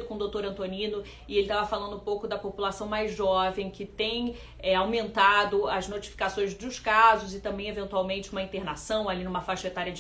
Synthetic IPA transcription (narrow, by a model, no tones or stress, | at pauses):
d̪ʊkõd̪owt̪oɾɐ̃nt̪onĩnʊ | ɪelɪt̪avɐfalɐ̃nd̪ʊ̃powkʊd̪ɐpopulasɐ̃w̃majzʒɔvẽj̃kɪt̪ẽj̃ | ɛawmẽnt̪ad̪ʊɐznot͡ʃi̥fi̥kasõj̃zd̪ʊskazʊzɪt̪ɐ̃mbẽj̃evẽnt̪uawmẽnt͡ʃɪumɐĩt̪eɾnasɐ̃w̃alinũmɐfaʃet̪aɾjɐd͡ʒ